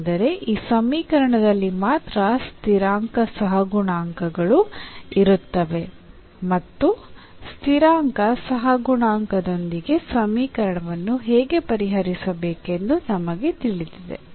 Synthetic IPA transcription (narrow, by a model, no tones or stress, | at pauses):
d̪ɐɾe̞ʔiːsɐmiːkɐɾɐɳɐd̪ɐlːimaːt̪ɾɐst̪ʰiɾaːŋkɐsɐɦɐɡuɳaːŋkɐɡɐɭuiɾut̪ːɐʋe̞ | mɐt̪ːu | st̪ʰiɾaːŋkɐsɐɦɐɡuɳaːŋkɐd̪o̞nd̪iɡe̞sɐmiːkɐɾɐɳɐʋɐnːuɦɛːɡe̞pɐɾiɦɐɾisɐbeːke̞nd̪unɐmɐɡe̞t̪iɭid̪id̪e̞̰